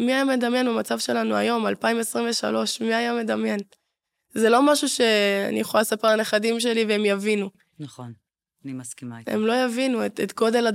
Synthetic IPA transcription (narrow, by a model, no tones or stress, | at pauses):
miajame̞d̪amje̞nbamat͡savʃe̞lanua̰jo̞malpaimesʁimɱveʃa̰lo̞ʃmiajame̞d̪amje̞n | zelo̞maʃuʃe̞a̰nḭjeχoalsapeʁaneχadimʃ̬e̞liveemjavinu | nn | ikḛmlo̞javinuetet̪ɡo̞d̪e̞la